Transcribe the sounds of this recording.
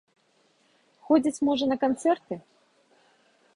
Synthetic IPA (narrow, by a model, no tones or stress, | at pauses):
xɔd͡zʲit͡sʲmɔʐɐnɐkant̪sɛrt̪ɨ